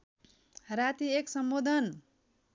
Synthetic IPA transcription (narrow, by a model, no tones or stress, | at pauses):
rat̪ieksʌmbod̪ʱʌn